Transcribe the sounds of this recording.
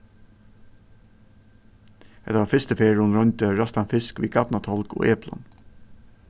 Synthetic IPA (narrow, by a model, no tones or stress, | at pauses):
hɛt̪əʋɑːɾfɪst̪əfeːɹʊnɹɔɲt̪əɹɑst̪ɑnfɪskʋḭːɡɑt̪nɑt̪ʰɔlko̰ːʔeːplɔ̰n